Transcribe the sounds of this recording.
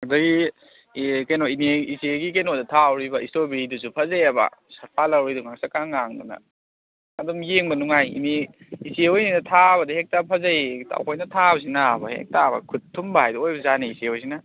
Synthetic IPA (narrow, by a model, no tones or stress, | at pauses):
adɐɡi | kajnoiniiseɡikejnodɐtʰawɾibɐistobiidusupʰɐzejabɐ̰sɐɾpʰalɐwɾiduŋak̚sakaŋːaŋnɐ̰nɐ̰ː | dumjeŋbɐnuŋajḭni | iseojninɐtʰabɐdɐhek̚tapʰɐzajtʰa̰wkʰojnɐtʰabɐs̬inabɐhḛk̚tʰabɐ̰kʰutʰːumbɐhajdɐojbɐzaniiseojs̬inɐ